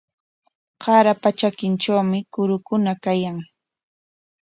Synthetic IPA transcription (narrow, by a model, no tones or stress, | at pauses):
qɑɾapat͡ʃakɪnt͡ʃawmɪkʊɾʊkʊnakajaŋ